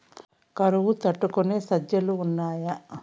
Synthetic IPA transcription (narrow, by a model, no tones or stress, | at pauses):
kɐɾuʋut̪ɐʈːukuneːsɐd͡ʒjɐluːnːaːjɐ